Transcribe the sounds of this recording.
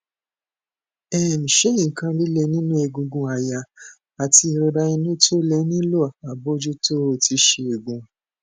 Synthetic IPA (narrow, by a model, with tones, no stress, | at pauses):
ɛ˦˨mĩ˨ʃe˨˦ĩ˨kã˧li˦le˧˦nĩ˦nũ˦e˧˨ɡũ˧ɡũ˧a˨ja˧ | a˨ti˧ɾo˧ɾa˧i˧nũ˦to˦le˧˦nĩ˦lo˦a˨a˨bo˦d͡ʒu˦to˦˨tʰi˧ʃe˧e˨ɡũ˨